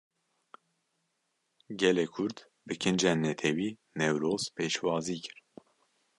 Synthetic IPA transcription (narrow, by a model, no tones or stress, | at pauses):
ɡɛlɛkʰʊɾd̪ | bɨkʰɨnd͡ʒɛnːɛt̪ʰɛwiː | nɛwɾoːz̥pʰeːʃwɑːziːkʰɨɾ